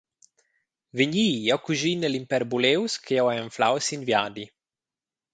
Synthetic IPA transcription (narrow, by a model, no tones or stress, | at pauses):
veɲiːjawkuʒinelimpɛɾbulewskʰeɛwɛaɱfla̰wsinvjaːd̪i